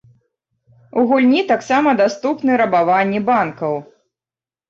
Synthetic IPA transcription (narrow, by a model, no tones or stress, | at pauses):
uɣulʲnʲit̪aksamɐd̪ast̪upnɨɾɐbavanʲːibankɐw